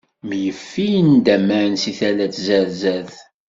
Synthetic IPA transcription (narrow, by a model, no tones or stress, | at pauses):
mjəfːijənd̪æmːænsiθælæt͡szæɾzæð